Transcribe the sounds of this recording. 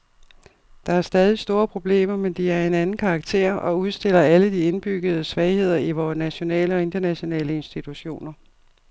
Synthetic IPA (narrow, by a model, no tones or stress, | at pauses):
d̥ɑ̈æɐsd̥ɛːð̞ˠisd̥o̝ːɐpʰʁo̝b̥le̝̰ːmɐmend̥iæɐe̝nænn̩kʰɑ̈ːɡ̥̚t͡sʰe̝̰ɐ̰ɒ̽uð̞ˠsd̥e̝l̰ɐæləd̥ie̝nb̥yɡ̥ð̞̩ˠəsʋɛɪhe̝ð̞̰ˠɐiʋɒːnæɕo̝nɛ̰ːləɒ̽e̝nd̥ɐnæɕo̝nɛ̰ːləe̝nsd̥it͡sʰuɕo̝̰ːnɐ